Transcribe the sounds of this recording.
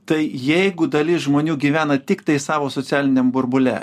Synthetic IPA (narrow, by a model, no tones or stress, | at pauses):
t̪ɐɪjɛɪɡʊd̪ɐlʲɪsʒmoːnʲuːɡʲiːʋʲæːnɐt̪ʲɪkt̪ɐɪsɑːʋoːsot̪sʲæːlʲɪnʲɛmbʊɾbʊlʲæ̰ː